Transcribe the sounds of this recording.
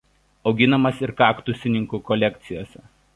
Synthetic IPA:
ɒʊɡʲɪnɐmɐsɪɾkɑːkt̪ʊsʲɪnʲɪŋkuːkɔlʲɛkʲt̪sʲɪjoːsʲɛ

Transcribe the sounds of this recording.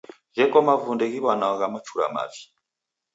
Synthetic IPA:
ʒɛkɔmavundɛɣiβanaaɣamat͡ʃʰuɾa̰ma̰vi̥

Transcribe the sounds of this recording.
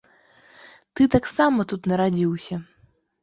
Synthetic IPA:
t̪ɨt̪aksamɐt̪ut̪nɐɾad͡zʲiwsʲɐ

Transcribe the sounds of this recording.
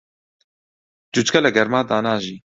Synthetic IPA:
d͡ʒut͡ʃkʰɐlɛɡɛɾmaːd̪aːnaːʒiː

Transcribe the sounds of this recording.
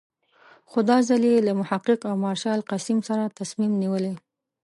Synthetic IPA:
xʊd̪ɑzalelamʊhaqːɪqawmɑɾʃɑlqasimsaɾat̪asmimniwəle

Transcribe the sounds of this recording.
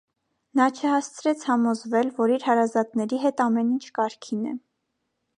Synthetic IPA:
nɑt͡ʃʰəhɑst͡sʰɾɛt͡sʰhɑmɔzvɛlvɔɾiɾhɑɾɑzɑt̪nɛɾiɦɛt̪ɑmɛnint͡ʃʰkɑɾkʰinɛ̰

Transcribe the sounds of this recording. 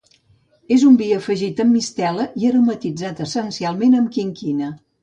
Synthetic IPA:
ezumbiəfəʒit̪əmːist̪ɛləʔiəɾomət̪id͡zat̪əsənsialˠmenəmkiŋkinə

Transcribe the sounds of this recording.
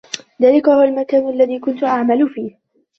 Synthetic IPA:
ðaːlɪkahʊwalmakaːnʔalːaðiːkʊnt̪ʊʔaʕmalʊfiːh

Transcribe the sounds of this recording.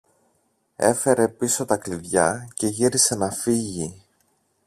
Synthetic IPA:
e̞fe̞ɾe̞piso̞t̪ɐkliðʝɐce̞ʝiɾise̞nɐfiʝi

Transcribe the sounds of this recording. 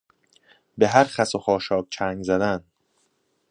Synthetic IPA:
beɦæɾχæsoxɒːʃɒːk̚t͡ʃʰæŋɡzæd̪æn

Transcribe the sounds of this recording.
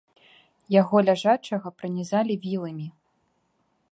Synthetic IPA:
jaɣɔlʲaʐat͡ʂɐɣɐpɾɨnʲɛzalʲivʲilˠɐmʲi

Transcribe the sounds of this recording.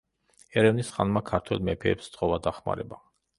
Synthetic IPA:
ɛɾɛvnisχanmakʰaɾt̪ʰwɛlˠmɛpʰɛːpst̪sʼqʼɔvad̪aχma̰ɾɛba

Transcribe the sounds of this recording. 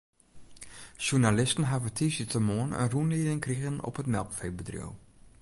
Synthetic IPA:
ʃunalɪstən̩ɦavətʰisitʰəmoənə̰nrunlidɪŋkriɣənɔ̰pətmɛlˠkfeːbədrjo̰w

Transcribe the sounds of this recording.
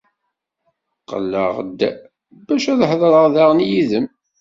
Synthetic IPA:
qːə̰lːə̰ʁd̪ | bæʃæðħəðˤɾˤəʁðaʁənjiðəm

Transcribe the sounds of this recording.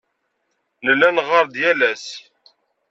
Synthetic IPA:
ləlːænʁəɾˤd̪jælæs

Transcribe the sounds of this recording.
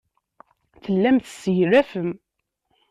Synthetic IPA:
θəlːæmθsəjɾæfəm

